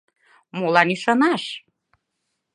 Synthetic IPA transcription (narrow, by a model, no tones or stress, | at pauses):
molɑniʃɤnɑʃ